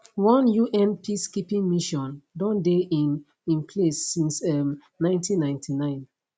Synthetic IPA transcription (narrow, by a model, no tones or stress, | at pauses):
wɔ̃njuʔɛ̃npʰiskipĩŋmiʃɔ̃ndɔ̃ndei | ĩnpʰlesːĩnsɛm | nãɪ̃ntĩnːãɪ̃ntʰinãɪ̃n